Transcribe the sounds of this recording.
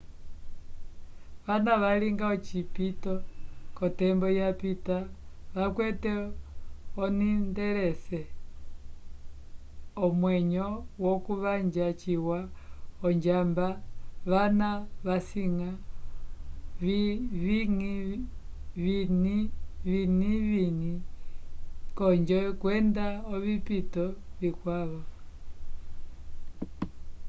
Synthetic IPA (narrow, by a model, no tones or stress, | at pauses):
ʋanaʋaliŋɡaɔt͡ʃipitɔkɔtɛmbɔjapitaʋakwɛtɛ | ɔnindɛɾɛsɛ | ɔmwɛɲɔwɔkuβaɲd͡ʒat͡ʃiwaɔɲd͡ʒambaβanaβasiŋa | βiβiŋi | βiniβiniβini | kɔɲd͡ʒɛkwɛndaɔβipitɔβikwaβɔ